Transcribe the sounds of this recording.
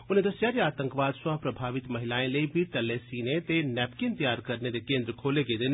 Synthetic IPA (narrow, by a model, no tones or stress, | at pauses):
ʊnẽd̪ɐsjaːɾeaːt̪ə̃ŋkʋaːd̪sãpɾɐbʱaːʋɪt̪mɐɦɪlaːẽleibʱiʈɐlːesiːnet̪enɛːpkɪnt̪ɐjaːɾkɐɾned̪ekẽːnd̪ɾəkʰoːleked̪en